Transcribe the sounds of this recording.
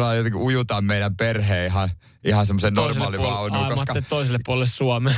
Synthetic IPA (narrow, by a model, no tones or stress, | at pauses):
lɑˑjot̪ekiujut̪ɑmmeinæmperheːiɦɑ | ihɑnsemːosennorsmɑːliʋɑːonːiːomsɑtkɑet̪t̪oiselːepuolelːessuɑme